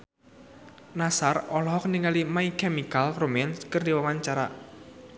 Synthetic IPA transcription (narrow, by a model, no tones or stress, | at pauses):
nasarɔlɔɦɔkniŋalimaikemikalromɛnskərdiwawaɲt͡ʃaɾa̰